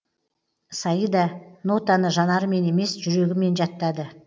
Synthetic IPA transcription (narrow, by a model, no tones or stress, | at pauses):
sɑjəd̪ɑno̞t̪ɑnəʒɑnɑɾəme̞ne̞me̞sʒʏɾe̞ɡʲɪme̞nʒɑt̪ːɑd̪ə